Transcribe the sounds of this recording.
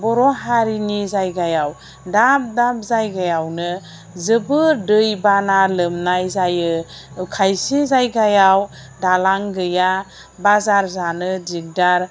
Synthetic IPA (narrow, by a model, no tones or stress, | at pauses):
bɔɾɔɦaɾinizajɡajaw | dap̚dap̚zajɡajawnɯ | zɯbɯdɯjbanalɯmnajzajɯkʰajsizajɡajaw | dalaŋɡɯja | bazaɾzanɯdiɡ̚daɾ